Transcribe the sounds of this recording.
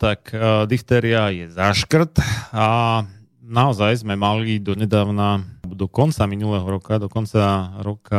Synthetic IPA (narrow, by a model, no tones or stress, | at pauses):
t̪akd̪ixt̪ɛːɾiajɛzaʃkr̩t̪a | naɔzajzmɛmalid̪ɔɲɛd̪aːʊnad̪ɔkɔnt͡saminulɛːɦɔɾɔkad̪ɔkɔnt͡saɾɔka